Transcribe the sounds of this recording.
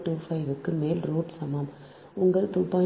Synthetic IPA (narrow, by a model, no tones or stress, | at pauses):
ʈuːfɐɪʋɯkːɯmeːlɾuːɖsɐmɐm | ʊŋɡɐɭt̪uːpːaː